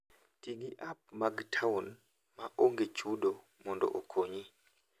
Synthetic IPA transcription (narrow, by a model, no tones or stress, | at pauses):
tiɡiʔap̚maɡtʰaun | maʔoŋɡet͡ʃuɗo | mɔndɔ̰ʔokʰoɲi